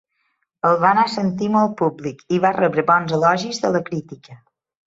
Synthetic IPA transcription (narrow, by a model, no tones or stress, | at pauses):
əlˠβanasənt̪iməlˠpublikiβarʔəβɾəbɔnzəlɔʒizðələkɾit̪ikə